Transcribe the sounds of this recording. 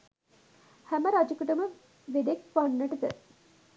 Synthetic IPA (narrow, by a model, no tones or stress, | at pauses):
hæməɾad͡ʒɐkuʈəmə | ʋeɖekʋanːəʈəd̪ə̰